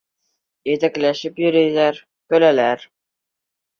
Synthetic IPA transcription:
jet̪æklæʃɪpjɵ̆ɾæjlæɾ | kɵ̆lælæɾ

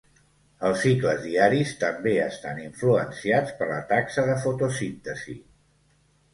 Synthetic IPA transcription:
əlˠsːikləzðiaɾist̪əmbeəst̪aniɱfluənsiat͡spəɾlə̰t̪aksəðəfut̪usint̪əzḭ

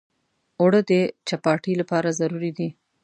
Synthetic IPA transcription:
wɽəd̪ət͡ʃapɑʈilapɑɾazaɾuɾid̪i

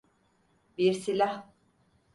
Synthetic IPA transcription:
biɾsilʲah

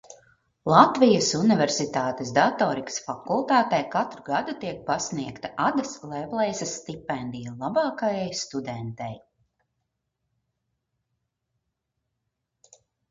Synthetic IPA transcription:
lˠat̪vijəsunivɛɾsit̪aːt̪esd̪at̪ɔːɾikə̥sfakulˠt̪aːt̪ɛjkat̪ɾuɡad̪ut̪iɛk̚pasniɛkt̪ḁʔad̪ɐslˠɛplˠɛjsast̪ipɛnd̪ijalˠabɑːkajajst̪ud̪ɛnt̪ɛ̰j

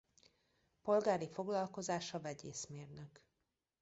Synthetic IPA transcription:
po̞lɡaːɾifo̞ɡlɒlko̞zaːʃɒvɛɟeːsmeːrnøk

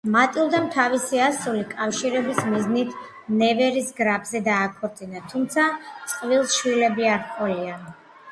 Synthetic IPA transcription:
mat̪ʼilˠd̪amt̪ʰavisiasulikʼafʃiɾɛbismiznit̪ʰ | nɛvɛɾisɡɾabzɛd̪aːkʰuɾt̪zʼinat̪ʰumt̪sʰat̪sʼqʼvilˠsʃwilɛbiaɾqʼɔlia

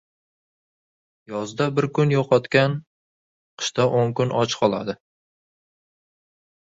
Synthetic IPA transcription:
jɒzd̪abɪɾkʰʊnjoqʰɒt̪kʲan | qʰɨ̥ʃt̪aʔoŋkʊnʔɒt͡ʃqʰɒlˠa̰d̪ɪ

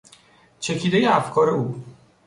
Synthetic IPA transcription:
t͡ʃʰe̞cʰiːd̪ejeæfkʰɒːɾe̞uː

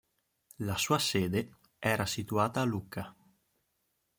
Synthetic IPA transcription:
lasuːaseːd̪e | ɛːɾasit̪uaːt̪aːlukːa

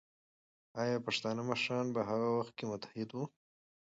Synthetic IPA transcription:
ɑjɑpaʂt̪ɑnəmaʃɾɑnbaɦaɣawaxt̪̚kemʊt̪ḁhɪd̪wu

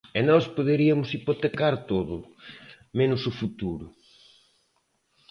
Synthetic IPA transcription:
ɛnɔspoðeɾiɐmʊsipot̪ekaɾt̪oðʊ | menʊsʊfut̪uɾʊ

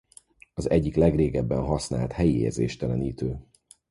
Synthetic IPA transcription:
ɒzɛɟːiklɛɡreːɡɛbːɛnɦɒsna̰ːlt̪hɛjiḛːrzḛːʃt̪ɛlɛniːt̪øː

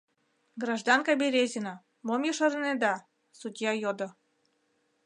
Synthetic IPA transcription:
ɡrɑʒd̪ɑnkɑbʲeɾʲezʲinɑ | momjəʃɤɾned̪ɑ | sud̪ʲjɑjod̪ŏ

